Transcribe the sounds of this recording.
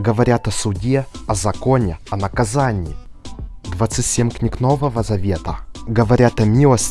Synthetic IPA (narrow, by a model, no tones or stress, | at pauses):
ɡəvɐɾʲat̪ɐsʊdʲeɐzɐkonʲɛɐnɐkɐzanʲɪː | d̪vat̪sɨtʲsʲemʲknʲiknovəvəzɐvʲet̪əɡəvɐɾʲat̪ɐmʲilˠəsʲ